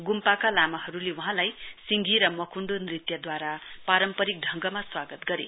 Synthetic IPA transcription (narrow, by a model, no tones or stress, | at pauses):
ɡumpakalamaɦʌɾulewʌɦãlajsiŋɡiɾʌmʌkʰuɳɖonrit̪jʌd̪waɾapaɾʌmpʌɾik̚ɖʱʌŋɡʌmaswaɡʌt̪ɡʌɾḛ